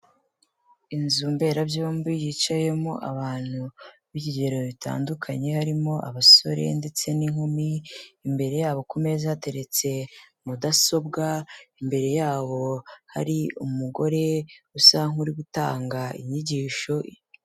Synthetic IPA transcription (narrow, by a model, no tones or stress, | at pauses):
inzuːmbe̞ɾabjombijit͡ʃaje̞moʔa̰βaːn̥uβiɟiɟe̞ɾo̞βitʰa̰ːndukʰaɲe̞haɾimo̞ʔa̰βaso̞̰ɾe̞̰nde̞t͡se̞niŋhomiːmbe̞ɾe̞jaːβo̞kume̞zate̞ɾe̞t͡se̞mudaso̞bɡaimbe̞ɾe̞jaːβo̞ha̰ɾiumuɡo̞ɾe̞usaŋuɾiɡuta̰ːŋɡaḭɲiɟiːʃo̞